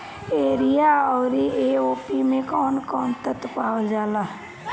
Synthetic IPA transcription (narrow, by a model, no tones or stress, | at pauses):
eːɾijaɔːɾieːoːpimẽkɔːnkɔːnt̪ət̪paːld͡ʒaːlaː